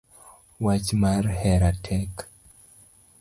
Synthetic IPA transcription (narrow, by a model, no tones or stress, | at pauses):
wat͡ʃmarhɛɾatʰɛk